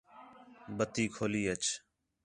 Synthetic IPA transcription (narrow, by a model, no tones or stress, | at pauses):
bət̪iːkʰoːliːət͡ʃ